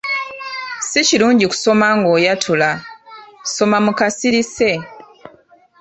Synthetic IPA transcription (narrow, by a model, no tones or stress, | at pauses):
siciɾuːɲɟiku̥so̞maŋɡo̞ːjatʰula | so̞mamukasiɾise̞